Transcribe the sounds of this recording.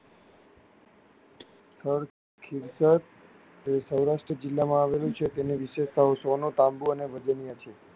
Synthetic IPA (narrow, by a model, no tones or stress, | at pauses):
t̪ʰəɭ | kʰiɾsət̪ | səwɾaʂʈɾəd͡ʒɪlːamãaʋelũt͡ʃʰet̪eniʋiʃeʃsaɦosonõt̪ãmbuəneʋəd͡ʒənijat͡ʃʰe